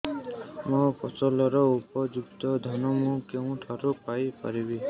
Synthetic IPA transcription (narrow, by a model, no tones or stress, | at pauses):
mukɔsɔlɔɾɔupɔd͡ʒukt̪ɔd̪ʱɔnɔmukew̃ʈʰaɾupajpa̰ɾibi